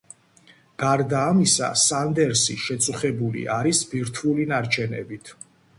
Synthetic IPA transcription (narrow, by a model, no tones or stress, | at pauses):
ɡ̥aɾd̪aːmisa̰sand̪ɛɾsiʃɛt̪sʼuχɛbulḭʔaɾisbiɾt̪ʰulinaɾt͡ʃʰɛnɛ̰bit̪ʰ